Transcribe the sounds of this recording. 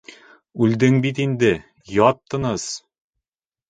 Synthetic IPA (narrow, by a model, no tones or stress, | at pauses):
ʉld̪ɘŋbit̪ind̪ɘ | jɒt̪ːɤ̆nɤz̥